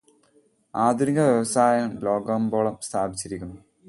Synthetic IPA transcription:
aːd̪uɾiŋɡɐʋjɐʋɐsaːjɐmlo̞ːɡɐmbo̞ːɭɐmst̪ʰaːbit͡ɕːiɾikʲːunːu

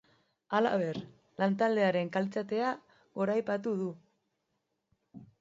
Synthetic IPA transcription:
ala̰βe̞ɾ | lant̪ald̪e̞aɾe̞ŋkalt͡sat̪e̞a | ɣo̞ɾajpat̪uðu

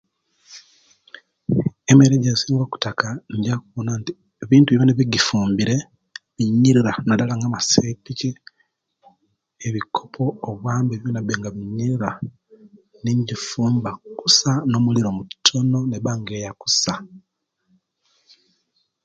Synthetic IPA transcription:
emeɾeɟeziːŋɡoku̥takanɟakuβonanti̥ | βiːntuβiβaneβiɡifuːmbiɾe̞ | βiɲːiɾiɾanadalaŋɡamasepiki | eβikʰopʰo̞ːβwaːmbeβjonabeŋɡaβiɲːiɾiɾa | niɲɟifuːmbaku̥sano̞muliɾo̞mutʰono̞neβaŋɡe̞ːjaku̥sa

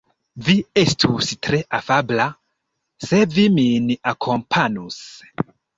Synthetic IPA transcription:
viestʰustɾe̞ʔafabla | se̞viminakʰo̞mpʰanus

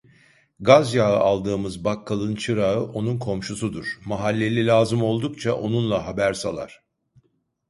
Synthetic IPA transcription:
ɡazjaɯʔalˠd̪ɯːmɯzbakʰːalˠɯnt͡ʃʰɯɾaɯʔo̞nunkʰo̞mʃusud̪uɾ̥maɦalʲːe̞lʲilʲaːzɯmo̞lˠd̪ukt͡ʃʰaʔo̞nunlˠaɦabæɾsalˠa̰ɾ̥

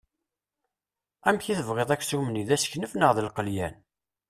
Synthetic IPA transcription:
æmçiθəvʁeðˤækːsumniðæsçnəfnəʁðəlqəljæn

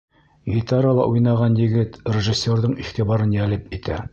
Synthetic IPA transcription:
ɡʲit̪aɾalˠɑ̰ʔujnɑʁɑnjɘ̆ɡɘt̪rʲeʒɘsʲːerðɤɴiχt̪ibɑɾɤnjælɘpit̪ʰæ̰

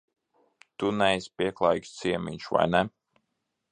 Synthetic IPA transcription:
t̪unɛjsʲpiɛklˠajkst̪siɛmʲḭɲʲʃuva̰jnɛ

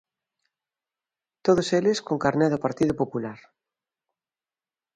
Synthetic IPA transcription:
t̪oð̞oseleskoŋkaɾneðopaɾt̪iðopopulaɾ

